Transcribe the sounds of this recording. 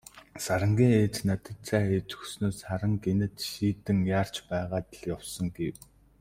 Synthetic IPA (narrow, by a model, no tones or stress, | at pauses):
saɾə̆ŋɡʲiːŋeːt͡ɕnat̪ə̆t͡saːeːt͡ɕɵ̥xsnoːsχaɾə̆ŋkenɘ̆t̪ʃiːt̪ɘ̆ŋjaːr̥t͡ɕpæːʁaːt̪ɮjawsɞ̆ŋɡew